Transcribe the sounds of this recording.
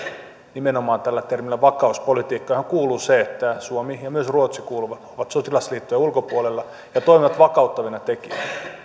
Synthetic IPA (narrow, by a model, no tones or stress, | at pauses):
nimenomɑːnt̪ælːæt̪ermilːæʋɑkɑuspolit̪iːkːɑhæŋkuːluːseet̪ːæsuomijɑmyøsruot̪sikuːluʋɑt̪oʋɑt̪sot̪ilɑsliːt̪ːojɑulkopuolelːɑ | jɑt̪oimiʋɑt̪ʋɑkɑut̪ːɑʋinɑt̪ekiææ